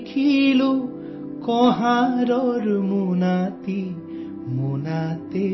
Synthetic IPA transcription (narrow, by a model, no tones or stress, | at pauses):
kʰilu | kɔɦãɾɔɾmunat̪i | munat̪e